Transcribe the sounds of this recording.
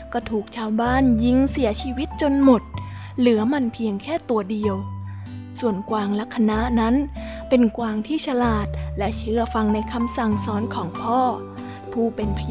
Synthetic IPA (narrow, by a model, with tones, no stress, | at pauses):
kɔː˥˩t̪ʰuː˨˩k̚t͡ɕʰaː˧wbaː˥˩˨nji˦˥˩ŋsi˩˦ɐt͡ɕʰiː˧wi˦˥t̪̚t͡ɕo˧nmo˨˩t̪̚ | lɯ˩˦ɐma˧npʰi˧əŋkʰɛː˥˩t̪u˧ɐdi˧əw | su˨˩ənkwaː˧ŋla˦˥kʰːa˧na˦˥na˦˥n | pe˧nkwaː˧ŋt̪ʰiː˥˩t͡ɕʰa˧laː˨˩t̪̚lɛ˦˥ʔt͡ɕʰɯ˦˥˩ɐfa˧ŋna˧jkʰa˧msa˨˩ŋsɔː˦˥nkʰɔː˩˦ŋpʰɔː˥˩ | pʰuː˥˩pe˧npʰa˧j